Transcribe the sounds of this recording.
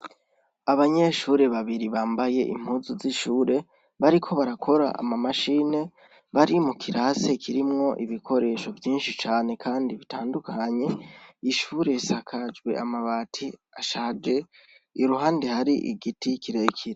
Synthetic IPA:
aβaɲe̞ʃuːɾe̞βaβiɾiβaːmbaje̞ʔḭm̥huzuziʃuːɾe̞ | βaɾikʰo̞βaɾakʰo̞ɾa̰a̰mamaʃine̞ | βaɾimukʰiɾase̞kʰiɾimŋo̞ʔiβikʰo̞ɾe̞ʃo̞vjiːnʃit͡ʃaːne̞kʰaːndiβitʰaːndukʰaɲe̞iʃuːɾe̞sakʰad͡ʒɡwe̞̰amaβaːtʰi | aʃaːd͡ʒe̞ | iɾuɦaːnde̞haɾiʔḭɡitikiɾekʰiɾe

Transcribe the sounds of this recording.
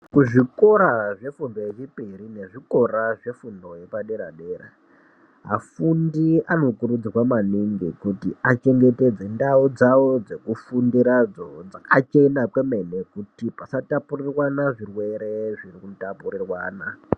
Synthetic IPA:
kuʐiko̞ɾaʐe̞fundojet͡ʃipiɾine̞ʐiko̞raʐe̞fundo̞je̞paɗeɾa̰ɗeːɾa̰ | ɦa̰fundiano̞kuɾud͡ziwamaniŋɡikutiat͡ʃe̞ŋɡe̞te̞d͡ze̞ndaud͡zaod͡ze̞kufundiɾad͡zod͡zakat͡ʃe̞nakweme̞nekutipasatapurirwanaʐirwe̞ɾe̞ʐirikutapurirwaːna

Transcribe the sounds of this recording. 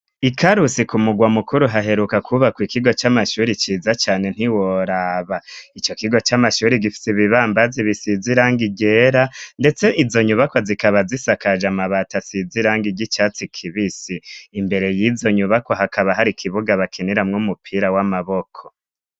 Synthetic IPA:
ikʰaɾusikumuɡwamukuɾuɦaɦe̞ɾukakʰuβakwikiɡo̞t͡ʃamaʃuɾit͡ʃiːzat͡ʃaːne̞n̥iwoɾaβait͡ʃo̞kiɡo̞t͡ʃamaʃuːɾiɡifi̥siβiβaːmbaziβisiziɾaːŋɡiɟe̞ɾande̞t͡se̞ʔizo̞ɲuβako̞zikaβazisakaʒamaβatasiziɾaːŋɡiɟit͡ʃaːt͡sikʰiβisiːmbe̞ɾe̞jizo̞ɲuβako̞ɦakʰaβaɦaɾikʰiβuɡaβakʰiniɾamŋumupʰiːɾawamaβo̞kʰo

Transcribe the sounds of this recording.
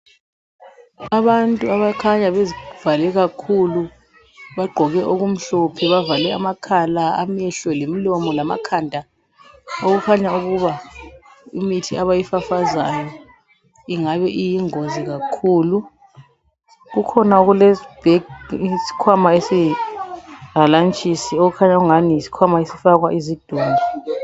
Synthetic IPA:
aβantʼuaβakʰaɲaβezivalɛɣakʰulu | βaɡ͡ǃʱɔɣɛʔoɣum̩ɬɔpʰɛβavalɛamakʰalaa̰mɛɬɔlemilɔmɔlama̰kʰandʱa | oɣukʰaɲauɣuβa | imitʰiaβajifafazajɔ | iŋaβɛʔijiŋoziɣakʰuːlu | ɣukʰɔnauɣuleib̥ʱɛɡsi̥kʰwamaesi | ɣalant͡ʃʼisioɣukʰaɲaɣuŋanisi̥kʰwamaesifaɣwaʔizid̥ʱuːŋi

